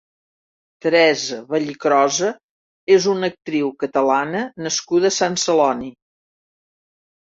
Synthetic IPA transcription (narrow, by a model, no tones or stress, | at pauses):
t̪əɾɛzəβəʎikɾɔzə | ezunək̚t̪ɾiwkət̪əlanənəskuðəsansəlɔni